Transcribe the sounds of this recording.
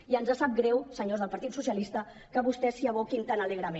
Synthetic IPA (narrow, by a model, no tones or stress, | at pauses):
iənzasap̚ɡɾɛwsəɲozðəlˠpɐɾt̪it̪susiəlist̪ə | kəβust̪ɛsiəβokint̪anələɣ̞ɾəme